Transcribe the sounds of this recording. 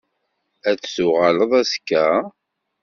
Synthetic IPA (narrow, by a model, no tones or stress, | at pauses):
æt͡ssʊʁaləðˤæskːæ